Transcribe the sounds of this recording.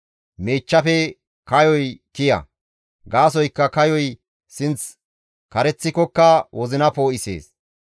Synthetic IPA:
meːt͡ʃːɐfɛ | kɐjɔjkɪjɐ̰ | ɡaːs̬ɔjkːɐkɐjɔj | sɪnt͡s | kɐɾɛt͡sːɪkɔkːɐwʔɔzɪnɐpo̞ːʔɪsḛːs

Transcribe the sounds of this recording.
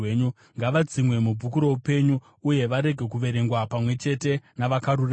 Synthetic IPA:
eɲu | ŋɡaʋad͡zimwe̞mub͡vʱukuɾo̞upe̞ɲuː | je̞ʋaɾe̞ɡʱe̞kuʋe̞ɾe̞ŋɡwapamwe̞t͡ʃe̞te̞naʋakaɾura

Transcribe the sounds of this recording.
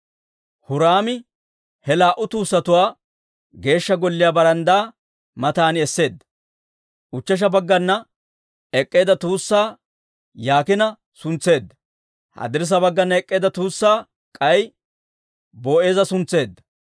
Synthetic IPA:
hʊɾaːmɪ | hɛlaːʔʊt̪uːsːɐt̪ʊwaː | ɡe̞ːʃːɐɡɔlːɪjaːbɐɾɐnd̪aː | mɐt̪aːnɪɛsːe̞ːd̪ːɐ̥ | ʔʊt͡ʃːɐʃ̬ɐbɐɡːɐnːɐ | ɛkʼːe̞ːd̪ɐt̪uːsːaː | jaːkɪnɐ | sʊnt͡sːe̞ːd̪ːɐ | hɐ̰d̪ɪɾs̬ɐbɐɡːɐnːɐɛkʼːe̞ːd̪ɐt̪uːsːaː | kʼɐj | bo̞ːʔe̞ːzɐsʊnt͡sːe̞ːd̪ːɐ̥

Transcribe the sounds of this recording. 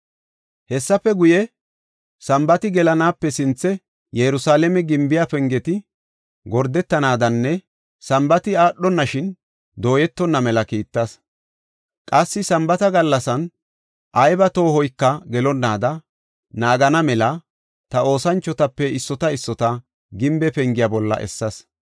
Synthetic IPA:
hɛsːɐpːɛɡʊjɛ | sɐmbɐt̪ɪɡɛlɐnaːpːɛsɪnt͡sːɛ | jɛɾʊsaːlɛmɛɡɪmbɪjafɛŋɡɛt̪ɪ | ɡɔɾd̪ɛt̪ːɐnaːd̪ɐnːɛ | sɐmbɐt̪ɪaːɗːɔnːɐʃɪn | d̪o̞ːjɛt̪ːɔnːɐmɛlɐkiːt̪ːɐs | kʼɐsːɪsɐmbɐt̪ɐɡɐlːɐsɐn | ʔɐjbɐt̪o̞ːhɔjkːɐɡɛlɔnːaːd̪ɐ | naːɡɐnɐmɛlɐ | t̪ɐo̞ːsɐnt͡ʃːɔt̪ɐpːɛɪsːɔt̪ɐɪsːɔt̪ɐ | ɡɪmbɛpɛŋɡɪjabɔlːɐ̰ʔɛ̰sːɐs

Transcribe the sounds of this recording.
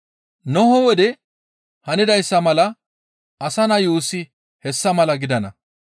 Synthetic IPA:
nɔɦɔwɔd̪ɛ | hɐnɪd̪ɐjsːɐmɐlɐ | ʔɐsɐnɐjuːsːɪ | hɛsːɐmɐlɐɡɪd̪ɐnɐ̰

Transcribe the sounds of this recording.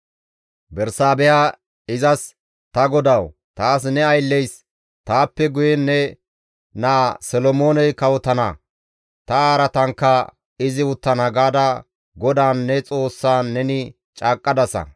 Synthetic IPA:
bɛɾsaːbɛja | ɪzɐs | t̪ɐɡɔd̪ɐw | t̪aːs̬nɛɐjlːɛjs | t̪aːpːɛɡʊjɛnːɛ | naːsɔlɔmo̞ːnɛjkɐwɔt̪ɐnɐ̰ | t̪ɐaːɾɐt̪ɐŋkːɐ | ɪzɪʊt̪ːɐnɐɡaːd̪ɐ | ɡɔd̪aːnːɛt͡sʼo̞ːsːaːɛnɪ | t͡ʃʼaːkʼːɐd̪ɐsɐ̰

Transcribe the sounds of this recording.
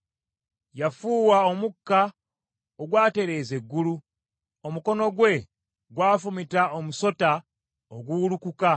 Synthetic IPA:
jafuːwao̞mukːa | oɡwaːte̞ɾe̞ːze̞ɡːulu | o̞muko̞no̞ɡwe̞ | ɡwaːfumitaomuso̞ta | oɡulukuka

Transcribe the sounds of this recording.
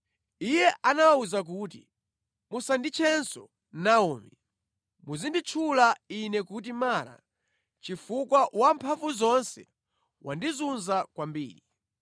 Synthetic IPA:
ijɛʔanawauzak̬uːt̬i | musandit͡ʃʰɛnsɔ | naɔːmi | muzindit͡ʃʰulainɛkut̬imaːɾa̰ | t͡ʃifukwawampʰavuzɔnsɛ | wandizunzakwambḭːɾi

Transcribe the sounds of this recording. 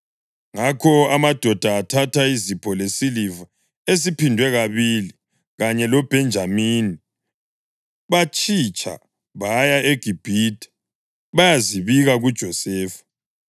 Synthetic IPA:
ŋakʰɔamad̥ʱɔd̥ʱaːtʰatʰaizipʰɔlesiliva | es̬ipʰindʱwɛɣaβili | ɣaɲɛlɔb̥ʱɛnd͡ʒʱamini | βat͡ʃʼit͡ʃʼa̰ | βajaʔeɡ̥ʱib̥ʱitʼɛ̥ | βajaziβiɣaɣud̥ʒ̥ʱɔsɛːfḁ

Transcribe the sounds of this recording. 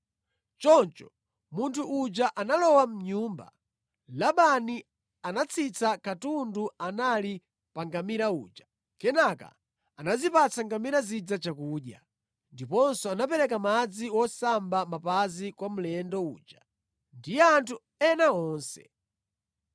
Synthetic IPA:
t͡ʃɔnt͡ʃɔ̰ | muntʰuʔːt͡ʃaʔanalɔwam̩ɲumba̰ | laɓani | anat͡sʰit͡sakatunduanali | paŋɡamiɾaṵːt͡ʃḁ | kɛnaka̰ | anazipat͡sʰaŋɡamiɾazid͡zat͡ʃakuːɗja | ndipɔnsɔanapɛɾɛkamad͡ziwɔsambamapazikwam̩lɛndɔṵːt͡ʃa | ndijɛantʰu | ɛnaɔːnsɛ̥̰

